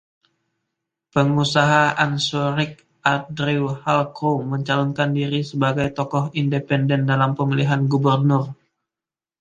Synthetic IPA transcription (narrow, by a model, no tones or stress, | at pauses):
pəŋusaɦaʔansoɾɪk̚ | ʔadɾiwhalkɾoməɲt͡ʃalɔnkandiɾisəbaɡajt̪ɔkɔɦindepɛndɛndalampəmiliɦanɡubərnʊr